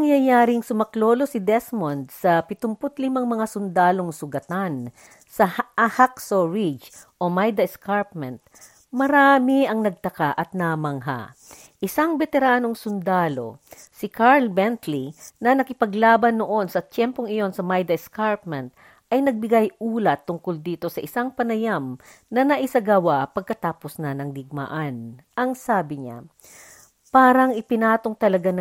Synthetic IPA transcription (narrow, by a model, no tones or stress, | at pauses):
ɐŋjajaːɾɪŋsʊmɐkloːlo̞sɪd̪ɛsmond̪̚sɐpɪt̪ʊmpot̪lɪmaŋmɐŋasʊnd̪aːlo̞ŋsʊɡɐt̪an | sɐhʔɐhaksoɹid͡ʒʔomajd̪ɐɛskaɹpmɛnt̪̚ | mɐɾaːmɪʔɐŋnɐɡ̚t̪ɐkaʔɐt̪̚nɐmɐŋɦa̰ | ʔɪsaŋbɛt̪ɛɾaːno̞ŋsʊnd̪aːlo̞̰ | sɪkaɹlbɛnt̪linɐnɐkɪpɐɡlaːbɐnːoʔo̞nsɐt̪ɛmpoŋɪjo̞nsɐmɐjd̪ɛskaɹp̚mɛnt̪̚ | ʔɐjnɐɡ̚bɪɡajʔuːlɐt̪ːʊŋkold̪iːt̪o̞sɐʔɪsaŋpɐnɐjam | nɐnɐʔɪsɐɡɐwapɐɡ̚kɐt̪aːposnɐnɐŋd̪ɪɡ̚ma̰ʔɐnʔɐŋsaːbɪɲa̰ | paːɾɐŋɪpɪnaːt̪o̞ŋt̪ɐlɐɡan